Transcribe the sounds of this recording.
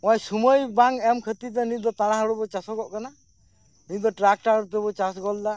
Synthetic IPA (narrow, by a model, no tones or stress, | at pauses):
ɔajsumojbaŋɛmkʰət̪it̪ɛnid̪ɔt̪aɽaɦaɾɔbɔt͡ʃasɔɡɔʔkana | nid̪ɔʈɾak̚ʈaɾt̪ɛbɔt͡ʃasɡɔlda